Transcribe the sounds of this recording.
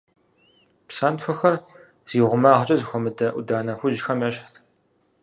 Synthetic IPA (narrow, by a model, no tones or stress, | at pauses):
psaːntfʷɐxɐr | z̥iːʁʷʊmaːʁt͡ʃʼɐzɨxʷɔmɨdɐʔʷʊdaːnɐxʷʊʒɪxɐmɐɕʼxtʰ